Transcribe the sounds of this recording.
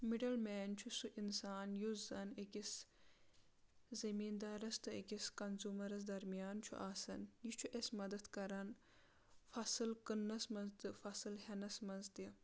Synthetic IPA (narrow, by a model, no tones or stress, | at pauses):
miɖɐlmeːnt͡ʃʰusuʔinsaːnjuzɐnekis | zɐmiːnd̪aːɾɐst̪ɨikʲiskɐnzuːmɐɾɐs̬d̪ɐɾmijaːnt͡ʃʰṵʔaːsɐnjit͡ʃʰuʔesmɐd̪ɐt̪kɐɾɐn | fɐsɨlkɨnːɐsmɐnzt̪ɨfɐsɨlhenɐsmɐnzt̪i